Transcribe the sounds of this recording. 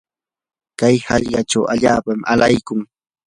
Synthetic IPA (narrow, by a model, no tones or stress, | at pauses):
kajhɑʎɢɑʈ͡ʂawaʎaːpamalajkʊŋ